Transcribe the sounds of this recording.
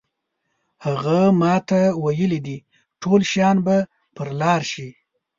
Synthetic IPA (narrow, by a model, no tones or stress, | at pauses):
haɣamɑt̪awajəlid̪i | ʈʰolʃjɑnba | pəɾlɑɾʃi